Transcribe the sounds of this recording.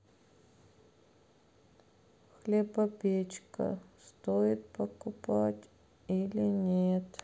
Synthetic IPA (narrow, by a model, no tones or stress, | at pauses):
xlʲebɐpʲet͡ɕkə̰st̪ojɪt̪̚pəkʊpatʲ | ilʲɪnʲet̪